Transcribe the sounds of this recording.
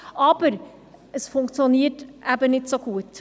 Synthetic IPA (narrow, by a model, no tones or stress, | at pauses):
ʔɑb̥əɾ | əsfʊŋkt͡sjoniːətʔæbənɪtsoɡuət